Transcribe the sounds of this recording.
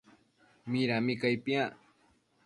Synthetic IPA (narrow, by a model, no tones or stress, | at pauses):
mɪɾamɪkajpia